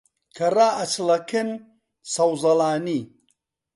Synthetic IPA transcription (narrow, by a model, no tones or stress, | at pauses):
kʰɐraːʔɐt͡ʃʰlɐkʰɨn | sɐwzɐlaːni